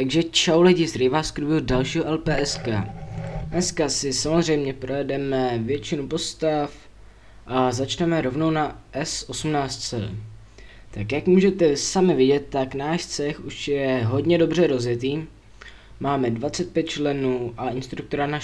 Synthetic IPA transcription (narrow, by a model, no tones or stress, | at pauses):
t̪aɡʒɛt͡ʃawlɛɟɪzɾɪvaːskɾuvɪodalʃiːɦoʔɛlpɛːʔɛskaːʔɛskasɪsamo̞zr̝ɛjmɲɛpɾojɛdɛmɛvjɛt͡ʃɪnupo̞st̪af | ʔazat͡ʃnɛmɛɾo̞vno̞wnaʔɛsʔo̞sumnaːt͡st̪t͡sɛ̰ː | t̪akjakmuːʒɛt̪ɛsamɪvɪɟɛt̪ːaknaːʃt͡sɛxuʃjɛɦo̞dɲɛdo̞br̝ɛɾo̞zjɛt̪iː | maːmɛdvat͡sɛt̪̚pjɛt̪̚t͡ʃlɛnuːʔaʔɪnst̪ɾukt̪oɾana